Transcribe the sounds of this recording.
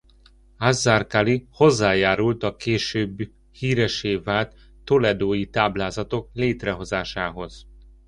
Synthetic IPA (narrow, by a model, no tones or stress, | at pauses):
azːarkaliho̞zːaːjaːɾult̪ɒkeːʃøːbː | hiːɾɛʃeːvaːlt̪ː | o̞lɛd̪oːjit̪aːblaːzɒt̪o̞kleːt̪rɛɦo̞zaːʃaːɦo̞z̥